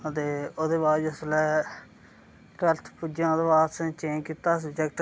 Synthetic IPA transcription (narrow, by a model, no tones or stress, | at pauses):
ət̪eːoːd̪eːbaːɾd͡ʒəslɛː | ʈəlt̪ʰpuːd͡ʒãːd̪obaːsə̃t͡ʃẽːnkit̪aːs̬əbd͡ʒɛk̚ʈ